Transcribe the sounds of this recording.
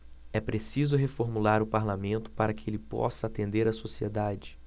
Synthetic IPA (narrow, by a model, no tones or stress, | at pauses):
ɛpɾesizʊɦefoɾmulaɾʊpaɾlamẽnt̪ʊ̥paɾɐkɪelɪpɔ̰sɐːt̪ẽnd̪eɾɐsosied̪ad͡ʒɪ